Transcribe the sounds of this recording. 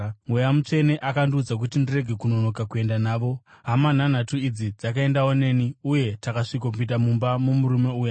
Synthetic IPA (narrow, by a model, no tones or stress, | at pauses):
ŋujamut͡ʂe̞ne̞ʔakandiud͡zak̬utindire̞ɡʱe̞kuno̞no̞kakue̞ndanaːʋo̞ɦaman̤an̤atuid͡zid͡zakae̞ndaone̞ːniuje̞takaʂikopitamumbamumuɾume̞uːja